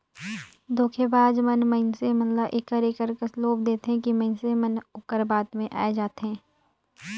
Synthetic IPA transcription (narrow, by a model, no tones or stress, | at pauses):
d̪oːkʰebaːd̪mɐnməɪnsemɐnlaʔeːkəɾeːkəɾkəsloːb̚d̪eːt̪eɦɛ̃kimɐɪnsemɐnʊkəɾbaːt̪mẽʔa̰ːed͡ʒaːt̪eɦɛ̃ː